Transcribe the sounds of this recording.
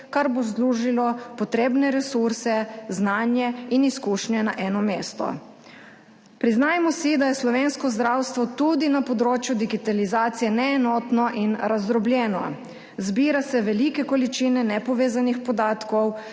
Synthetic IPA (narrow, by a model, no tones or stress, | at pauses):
kaɾbozluːʒilɔpɔt̪ɾeːbnɛɾɛsuɾsɛznaːnjɛiniskuʃnjɛnaʔɛːnɔmeːst̪ɔ̰ | pɾiznaːjmɔsid̪ajɛslɔʋeːnskɔzd̪ɾawst̪ʋɔt̪ud̪inapɔd̪ɾoːt͡ʃjud̪iɡit̪alizaːt̪sijɛnɛːnɔt̪nɔʔinɾazd̪ɾɔbljɛːnɔ | zbiːɾasɛʋɛlikɛkɔlit͡ʃinɛnɛpɔʋeːzanixpɔd̪aːt̪kɔw